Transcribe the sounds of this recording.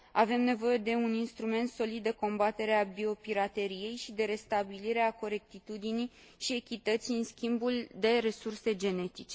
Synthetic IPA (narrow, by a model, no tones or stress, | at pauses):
ave̞mne̞vo̞je̞d̪e̞uninst̪ɾume̞nt̪so̞lid̪̚d̪e̞ko̞mbat̪e̞ɾeabio̞piɾat̪e̞ɾije̞jʃid̪e̞ɾe̞st̪abiliɾe̞ako̞ɾe̞k̚t̪it̪ud̪ini | ʃie̞kʲit̪ət̪sʲiɨnskʲimbuld̪e̞ɾe̞surse̞d͡ʒe̞ne̞t̪it͡ʃe̞